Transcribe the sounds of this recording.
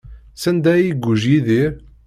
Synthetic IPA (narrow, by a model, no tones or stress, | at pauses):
sænd̪æjiɡʷːuʒjiðiɾ